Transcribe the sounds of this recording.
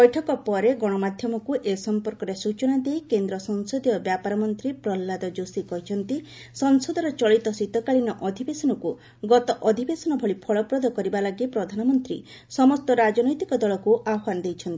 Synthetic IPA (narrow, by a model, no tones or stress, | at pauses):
bɔjʈʰɔkɔpɔɾeɡɔɽ̃ɔmad̪ʱjɔmɔkuʔesɔmpɔɾkɔɾesut͡ʃɔnad̪ejkend̪ɾɔsɔnsɔd̪iɔbjapaɾɔmɔnt̪ɾipɾɔlːad̪ɔd͡ʒosikɔɦit͡ʃʰɔnt̪i | sɔnsɔd̪ʱɔɾɔt͡ʃɔɭit̪ɔsit̪ɔkaɭinɔʔɔd̪ʱibesɔnɔku | ɡɔt̪ɔʔɔd̪ʱibesɔnɔbʱɔɭipʰɔɭɔpɾɔd̪ʱɔkɔɾibalaɡipɾɔd̪ʱanɔmɔnt̪ɾḭ | sɔmɔst̪ɔɾad͡ʒɔnɔjt̪ikɔd̪ɔɭɔkuʔawanɔd̪ejt͡ʃʰɔnt̪ii